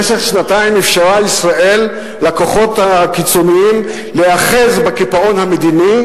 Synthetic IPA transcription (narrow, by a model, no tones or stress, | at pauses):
eseχʃnataimifʃaʁaisʁaʔe̞lː | ako̞χo̞thakit͡soniim | leaχe̞zbakipao̞nhamed̪ini